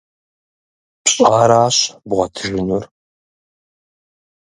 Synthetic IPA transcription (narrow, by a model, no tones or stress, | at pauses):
pɕʼaːɾaːɕbʁʷɐtʰɨʒɪnur